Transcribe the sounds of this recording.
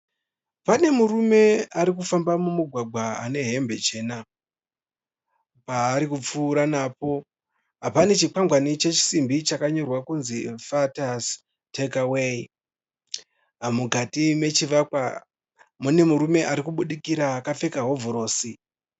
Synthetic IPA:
pane̞muɾume̞aɾikufambamumuɡʱwaɡʱwaa̰ne̞ɦe̞mbe̞t͡ʃe̞ːna | paːɾikup͡fuːɾanaːp̚o̞ | ɦapane̞t͡ʃikwaŋɡwanit͡ʃe̞t͡ʃi̥simbit͡ʃakaɲo̞rwakunzifatas | tʰekawei | ɦamukatime̞t͡ʃiʋakwa | mune̞muɾume̞ʔaɾikuɓuɗikiɾakafe̞kaɦo̞vʱoɾo̞ːsi

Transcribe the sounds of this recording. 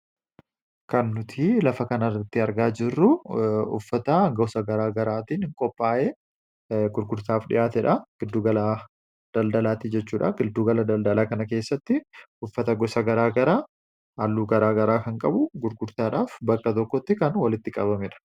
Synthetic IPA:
kɐnːʊt̪ʰiːlɐfɐkɐnɐrːɐt̪ːɪɐɾɡaːd͡ʒɪrːʊʊ̰fːɐt̪ɐɡɔsɐɡɐɾaːɡɐɾaːt̪iːnhɪŋkʼɔpʼːaːʔeː | ɡʊɾɡʊɾt̪aːfᶑɪ̰jaːt̪ɛᶑɐɡ̥ɪd̪ːuːɡɐla | d̪̥ɐld̪ɐlaːt̪ɪd͡ʒɛt͡ʃːuːᶑɐɡɪd̪ːuːɡɐlɐd̪ɐld̪ɐlaːkɐnɐke̞ːsːɐt̪ːɪ | ʊfːɐt̪ɐɡɔsɐɡɐɾaːɡɐɾaː | ɐlːuːɡɐɾaːɡɐɾaːkɐŋkʼɐbʊɡʊɾɡʊɾt̪aːᶑaːfbɐkːɐt̪ɔkːɔt̪ːɪkɐnwɐlɪt̪ːɪkʼɐbɐmɪᶑɐ̥

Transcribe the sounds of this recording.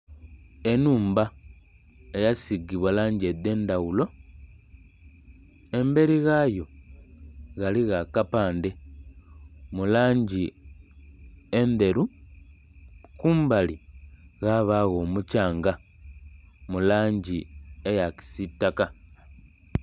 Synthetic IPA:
e̞nuːmba | ejasiɡiβwalaːɲɟed̪ːe̞ːndaɣulo̞ | e̞mbe̞ɾiɣajo̞ | ɣaliɣakapaːnde̞ | mulaːɲɟi | end̪e̞ɾu | kuːmbaliɣaβaɣo̞ːmucaːŋɡa | mulaːɲɟiejaki̥sitːaka

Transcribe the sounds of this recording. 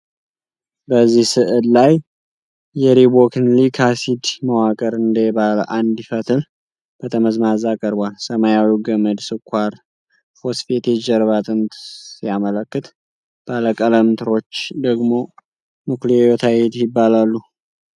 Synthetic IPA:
bəzːihsɨʔɨllajː | ɛɾibokɨnlikʰasid̪məwakʼəɾɨnd̪əbalʔand̪ɪfət̪ʰɨl | b̥ət̪ʰəməzmazakʼəɾbʷalsəmajawiwɡəməd̪sɨkʰʷːaɾ | fosfet̪ʰed͡ʒəɾβat̪ʼɨnt̪jamələkːɨt̪ | b̥aləkʼələmt̪ʰɨɾo̞t͡ʃːd̪əɡmo̞ | mɨkliejot̪ʰajɛt̪jɪbːalalːu

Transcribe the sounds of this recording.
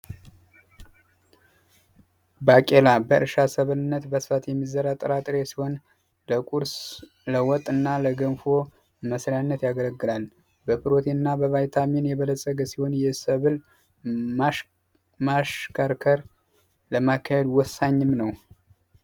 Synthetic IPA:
bakʼelabəʔɨ̰ɾʃasəβɨlɨnːət̪bəsɨ̥fat̪jɛmːizəɾat̪ʼːɨɾat̪ʼɨɾesiho̞n | ləkʼuɾs | ləwɔt̪ʼːɨnːaləɡənfo̞ | məsɾjanːət̪jaɡələɡːɨlal | bəpʰɨɾo̞t̪ʰinːabəβajt̪ʰaminjɛβələsʼəɡəsiho̞njɛsəβɨl | maʃkʰaɾkʰəɾ | ləmakʰːahed̪wɔsːaɲːɨmnəw

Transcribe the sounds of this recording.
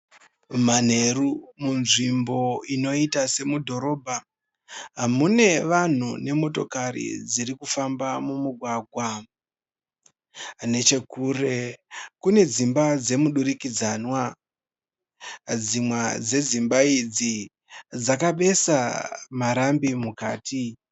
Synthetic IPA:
man̤e̞rumunʐimbo̞ino̞itase̞mudʱo̞ɾo̞ːbʱa | ɦamune̞ʋan̤une̞mo̞to̞̰kaɾḭd͡ziɾikufambamumuɡʱwaɡʱwa | ne̞t͡ʃe̞kuːre̞kune̞d͡zimbad͡ze̞muɗuɾikid͡zanwa | d͡zimwad͡ze̞d͡zimbaid͡zi | d͡zakaɓe̞samaɾambimukaːti

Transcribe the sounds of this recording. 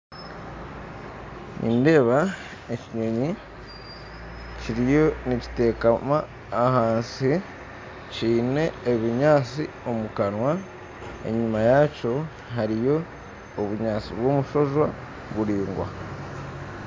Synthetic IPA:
nʔḭːnde̞ːβa | eciɲo̞ɲi | ciɾijo̞nici̥te̞ːkamaː | haːnsi | ciːne̞ːβiɲaːt͡si | o̞mukanwa | e̞̰ɲimajaco̞ | ɦaɾijo̞ː | βuɲaːt͡siβwo̞ːmuʃo̞ʒwa | βuɾiːŋɡwa̰

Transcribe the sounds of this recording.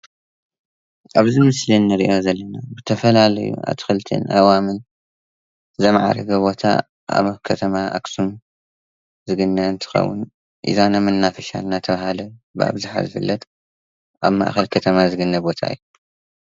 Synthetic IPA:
ʔaβzimɨslinːɨɾiʔo̞zɐlːɐnabɨt̪ʰɐfɐlalɐ̰jṵa̰βt̪ʰi̥xɨlɨt̪ʰḛnʔa̰wamɨn | zɐmʕa̰ɾɐɡɐβo̞t̪ʰa̰ | ʔa̰βkʰɐt̪ʰɐmaʔa̰ksum | zɨɡɨnːɐɨnt̪ʰɨ̥xɐ̰wːʊ̰n | ʔḭzanamɨnːafɐʃa̰lnat̪ʰɐβaɦalɐbɨa̰βzaħa̰zɨfɨ̰lːɐt̪ | ʔaβma̰ʔxɐlkʰɐt̪ʰɐmazɨɡɨnːɐbo̞t̪ʰa̰ɨ̰jːu

